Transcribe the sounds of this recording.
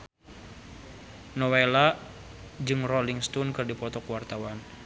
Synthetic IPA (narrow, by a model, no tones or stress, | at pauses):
nɔwela | d͡ʒɨŋrɔliŋst̪unkɨrdipɔt̪ɔkwart̪awan